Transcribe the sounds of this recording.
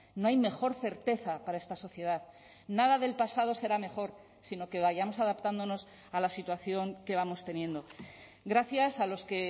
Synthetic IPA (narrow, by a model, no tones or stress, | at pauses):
no̞ajme̞xo̞ɾθe̞ɾt̪e̞θapaɾae̞st̪aso̞θje̞ð̞að | naðaðe̞lpasað̞o̞se̞ɾame̞xo̞ɾ | sino̞ke̞βaʝamo̞saðapt̪and̪o̞no̞s | alasit̪waθjo̞ŋke̞βamo̞st̪e̞njẽ̞nd̪o̞ | ɡɾaθjasalo̞ske̞